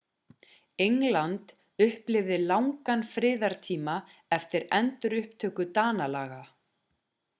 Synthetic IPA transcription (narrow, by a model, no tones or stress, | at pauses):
ejŋlant̪ | ʏhplɪvðɪlawŋkanfɾɪːðaɾ̥t̪ʰiːma | ɛft̪ɪɾɛnt̪ʏɾʏhpt̪ʰœːkʏt̪aːnalaːɣa